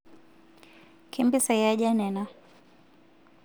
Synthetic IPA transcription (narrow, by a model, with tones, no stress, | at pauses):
kʰimbi˦sa˨ja˦ʄa˦nɛna